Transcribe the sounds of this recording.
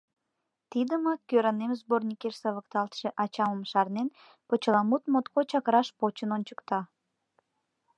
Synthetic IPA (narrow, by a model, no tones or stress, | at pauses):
t̪id̪əməkøɾənemzbornʲikersəβəkt̪ɑlt̪ʃĕʔɑt͡ɕɑməmʃɑrnen | pət͡ɕəlɑmut̪mot̪kot͡ɕɑkəɾɑʃpot͡ɕənonʲt͡ɕə̥kt̪ɑ